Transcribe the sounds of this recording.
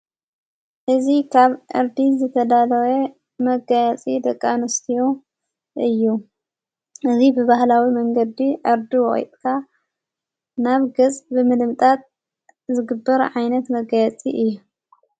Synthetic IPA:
ʔɨzikʰaβʔɨ̰ɾd̪izɨt̪ʰɐd̪alɐwe | mɐɡɐjat͡sʼid̪ɐkʼːanɨst̪ʰijo | ʔɨjːu | ʔɨzibɨβahlawimɐŋɡɐd̪iʔɨɾd̪iwɔxʼjt̪ʼkʰa | naβɡɐt͡sʼbɨmɨlɨmt̪ʼat̪̚ | zɨɡɨbːɐɾʕajnɐt̪mɐɡajat͡sʼiʔɨjːu

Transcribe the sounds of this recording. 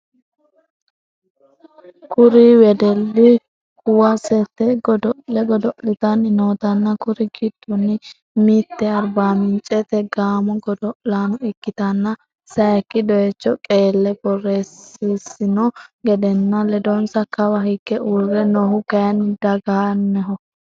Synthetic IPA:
kʊɾiwɛd̪ɛlːɪ | hʊwɐsɛt̪ːɛɡɔd̪ɔʔlɛɡɔd̪ɔʔlɪt̪ɐnɪnoːt̪ɐnːɐkʊɾɪɡɪd̪̥ʊnːɪ | miːt̪ːɛɐɾbaːmɪnt͡ʃʼɛt̪ɛɡaːmɔɡɔd̪ɔʔlaːnʊɪkːɪt̪ɐnːɐ | sɐjɐkːɪd̪ɔjɛt͡ʃːɔkʼeːlːɛɡɔrːeːsɪsɪnɔɡɛd̪ɛnːɐlɛd̪ɔnsɐkːɐwɐhɪkːɛurːɛnɔhʊkɐjɐnɪd̪ɐɡaːnːɛɦɔ

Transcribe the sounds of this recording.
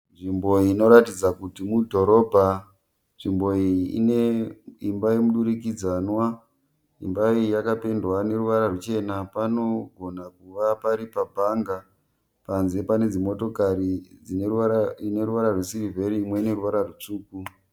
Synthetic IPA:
nʐimbo̞ino̞ɾatid͡zakutimudʱo̞ɾo̞bʱa | nʐimbo̞ḭneimbaimuɗuɾikid͡zanwa | ḭmbaijakape̞ndwane̞ruʋaɾarut͡ʃe̞napano̞ɡʱo̞nakuʋapaɾipabʱaŋɡa | panze̞pane̞d͡zimo̞to̞kaɾid͡zinaine̞ɾuʋaɾarwesirivʱe̞ɾiːmwe̞ne̞ɾuʋaɾarut͡ʂuːku

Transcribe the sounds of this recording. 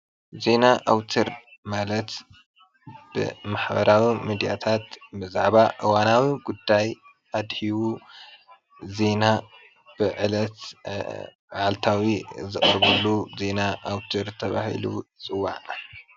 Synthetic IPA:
ze̞naʔawt̪ʰɨɾ | malɐt̪ | b̥ɨ̰maħbɐ̰ɾawimid̪ijat̪ʰat̪bɨzaʕbaʔɨwanawiɡud̪ːaj | ʔad̪hiwu | ze̞na | b̥ɨʕɨlɐt̪ | ʕalt̪ʰawizɨχʼɾβulːuze̞naʔawt̪ʰɨɾt̪ʰɐβa̰hḭlṵt͡sʼɨwːa̰ʕ

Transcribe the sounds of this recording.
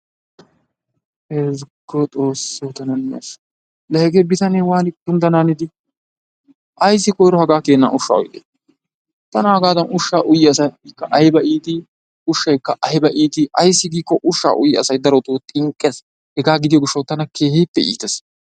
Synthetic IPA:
ezɡot̪ʼo̞ːsːot̪ɐnɐnːɪɐ̰s | lɐɛɡebɪt̪ɐneːwaːnɪkːʊnd̪ɐnaːnɪd̪ɪ | ʔɐjs̬ːɪkɔjɾɔhɐɡaːkeːnːa̰ːʊʃːa̰ːɔ̰jt̪ʼeː | t̪ɐnɐhɐɡaːd̪ɐnʊʃːaːʔʊjːɪɐsɐjkːɐʔɐjɪbɐʔiːt̪ɪ | ʊʃːɐjkːɐʔɐjɪbɐʔiːt̪ɪʔɐjsːɪɡiːkːɔʔʊʃːa̰ːʔʊjːɪɐsɐjd̪ɐɾɔt̪oːt̪ʼɪŋkʼːɛs | hɛɡaːɡɪd̪ɪjɔɡʊʃːɐwt̪ɐnɐkeːhipːɛḭːt̪ɛs

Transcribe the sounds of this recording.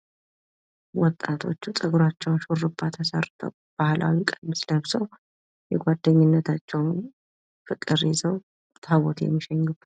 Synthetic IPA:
wɔt̪ʼːat̪ʰo̞̰t͡ʃːut̪ʼɨɡɾat͡ʃːɛwnʃurɨbːat̪ʰasərt̪ʰə̰w | b̥ahlʔa̰wikʼənsləβsəw | jɛɡʷad̪ːəɲːɪnːət̪ʰat͡ʃːɛwn | fɨkʼːɨɾizəw | t̪ʰaβot̪jɛ̰mːiʃɛɲːub

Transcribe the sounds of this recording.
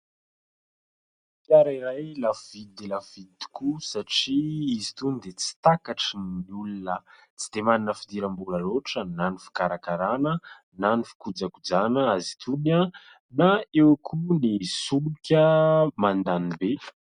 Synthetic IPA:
ikaɾiɾajlafvid̪id̪elafvid̪i̥kusaʈ͡ʂiizit̪unid̪et͡si̥t̪akaʈ͡ʂiniulunə | t͡si̥d̪̥emaninəfid̪iɾambulaloʈ͡ʂənanifi̥kaɾakaɾanə | nanifi̥kud͡zakud͡zanəazi̥t̪ʰunə | naewkʰunisulukʲəmand̪anibe

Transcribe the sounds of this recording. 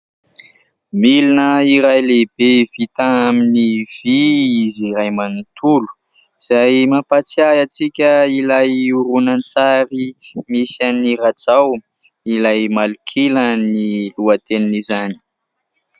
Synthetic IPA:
milinəiɾajleb̥ev̥it̪aaminiv̥iiziɾajmanut̪ʰulu̥ | z̥ajmapat͡siajat͡sikʲəilajuɾunant͡saɾimisaniɾat͡saw | ilajmalukʰiləniluat̪eninizani̥

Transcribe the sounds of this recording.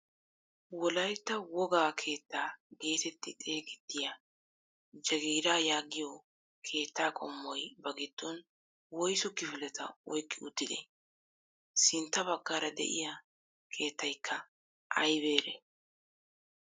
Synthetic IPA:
wɔlɐjt̪ːɐwɔɡaːkʰe̞ːt̪ːaːɡe̞ːt̪ɛt̪ːɪt̪ʼe̞ːɡɪt̪ːɪjɐ | d͡ʒɐɡiːɾaːjaːɡɪjɔ | kʰe̞ːt̪ːaːkʼɔmːɔjbɐɡɪd̪̥ːɔn | wɔjsʊkːɪfɪlɛt̪ʰɐ̰ɔjkʼːɪʊt̪ːɪd̪ḛ | sɪnt̪ːɐbɐɡːaːɾɐd̪ɛ̰ʔɪ̰jɐ | kʰe̞ːt̪ːɐjkʰːɐ | ʔɐjbe̞ːɾe

